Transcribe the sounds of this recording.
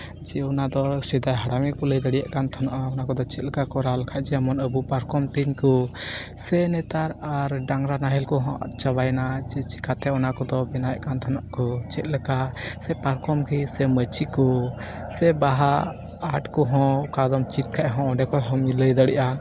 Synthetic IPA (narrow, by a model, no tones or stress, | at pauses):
d͡ʒɛɔnad̪ɔsɛd̪ajɦaɽamɛkɔləjd̪aɽija̰ʔkant̪ʰɔnaʔaɔnakɔd̪ɔt͡ʃɛt̪̚ləkakɔɾalkʰaʔd͡ʒɛamɔnəbupaɾkɔmt̪iɲkɔ | sɛnɛt̪aɾaɾɖaŋɾanaɦɛlkɔɦɔ̃ʔa̰t̪̚ˀt͡ʃabajnad͡ʒɛt͡ʃi̥kat̪ɛɔnakɔd̪ɔbɛnaja̰ʔkant̪ʰɔnaʔkɔt͡ʃɛt̪̚ˀləkasɛpaɾkʰɔmkʰisɛmət͡ʃikɔ | sɛbaɦaː | ʈkɔɦɔ̃kad̪ɔmt͡ʃit̪̚kʰaʔɦɔ̃ɔɖɛkɔɦɔmiləjd̪aɽiʔa